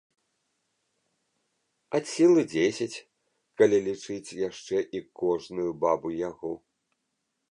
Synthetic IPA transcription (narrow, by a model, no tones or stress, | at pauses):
asʲilˠɨd͡zʲesʲɐt͡sʲ | kalʲilʲit͡ʂɨt͡sʲjaʂt͡ʂɛʔikɔʐnujubabujaɣɔ